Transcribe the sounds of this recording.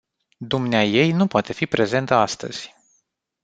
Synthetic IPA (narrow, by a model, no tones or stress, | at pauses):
d̪umneaje̞jnupoat̪e̞fipɾe̞ze̞nt̪əast̪ə̰z̥ʲ